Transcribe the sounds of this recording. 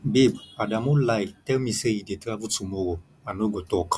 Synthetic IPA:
bebadamulaitɛmĩsejidetiavutumoɡo | anoɡotɔk

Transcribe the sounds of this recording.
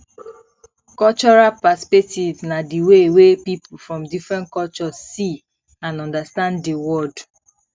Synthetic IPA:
kɔlt͡ʃɔɹalpaspɛk̚tivnadiwewepipufɹɔ̃mdifɹɛ̃ntkɔlt͡ʃɔzːi | ãnɔ̃ndastãnddiwɔd

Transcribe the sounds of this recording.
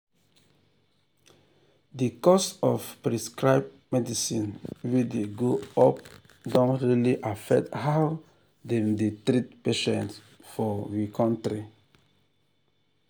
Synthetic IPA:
dikɔstɔfpɹiskɹaɪb̚ | mɛdisĩnwideɡoɔp̚ | dɔ̃ntɹiliʔafɛk̚thaw | demditɾitpeʃɛ̃nt | fɔwikʰɔ̃ntɾi

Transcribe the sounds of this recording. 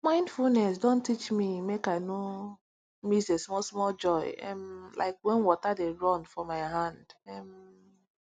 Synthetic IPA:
mãɪ̃ndfulnɛsdõntit͡ʃmimekaɪno | misesmɔlsmɔld͡ʒɔɪɛ̰̃mlʔa̰ɪkwɛ̃nwɔtadeɹɔ̃nfɔmaɪɦãnd̥ɛm

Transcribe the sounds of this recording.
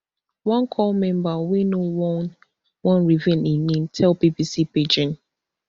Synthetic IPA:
wãnkʰɔlmɛ̃mbawinowɔn | wɔ̃nɹivɛ̃nĩnĩntʰɛlbibisiped͡ʒɪ̃n

